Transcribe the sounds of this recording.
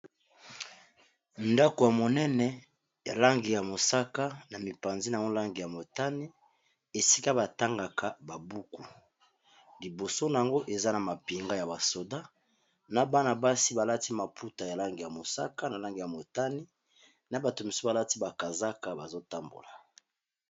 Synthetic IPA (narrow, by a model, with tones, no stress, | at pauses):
nda˦ko˨ja˨mo˨nɛ˦nɛ˨ | ja˨la˦ŋɡi˨ja˨mo˨sa˦ka˦na˨mi˨pa˨nzi˦na˨˦o˦la˦ŋɡi˨ja˨mo˨ta˦ni˦ | e˨si̥˦ka˦ba˨ta˦ŋɡa˨kʰa˨ba˨bu˦ku˨ | li˨bo˨so˦na˨ja˨ŋɡo˦ʔe˨za˦na˨ma˨pi˨ŋɡa˦ja˨ba˨so˨da˦ | na˨ba˦na˨ba˦si˦ba˨la˦ti˦ma˨pʰu˦ta˨ja˨la˦ŋɡi˨ja˨mo˨sa̰˦ka˦na˨la˦ŋɡi˨ja˨mo˨ta˦ni˦ | na˨ba˨to˨mi˨so˦ba˨la˦ti˦ba˨ka˨za˦ka˨ba˨zo˦ta˦mbo̰˨la˨